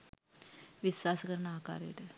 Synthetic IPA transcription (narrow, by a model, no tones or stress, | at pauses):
ʋisʋaːsɐkɐɾɐɳaːka̰ːɾḛːʈ̪ə